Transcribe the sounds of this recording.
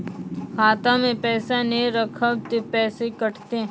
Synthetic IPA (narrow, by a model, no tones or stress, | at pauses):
kʰaːt̪ãmẽpɛːsaneɾəkʰəwt̪epɛːsekəʈʰt̪e